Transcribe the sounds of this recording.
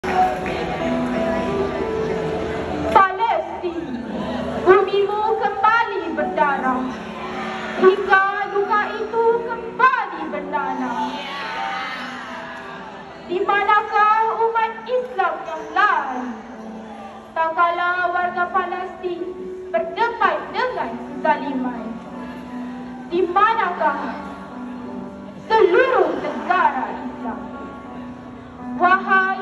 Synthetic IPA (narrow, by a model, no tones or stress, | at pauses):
palɛst̪i | bumimukəmbalibərdana | d͡ʒikadukait̪ukəmbalibərdana | dimanakahumat̪̚islamjaŋla | t̪akalawaɾɡapalast̪ipədəbajdəŋansəzaliman | dimanaɡaɦa | səluɾuŋt̪əɡaɾaʔisla̰m | waɦa